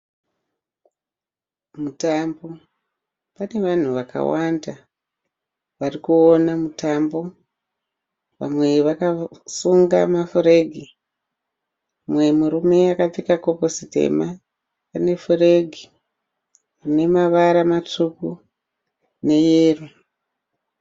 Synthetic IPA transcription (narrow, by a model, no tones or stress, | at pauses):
mutambo̞ | pane̞ʋan̤uʋaka̰wanda | ʋarikuonamutambo̞ | ʋa̰mwe̞ʋakasuŋɡa̰mafuɾe̞ɡʱi | mwe̞muɾume̞akap͡fikako̞posite̞̰ma | pane̞fure̞ɡʱi | kune̞maʋaɾamat͡ʂuku | ne̞jeːru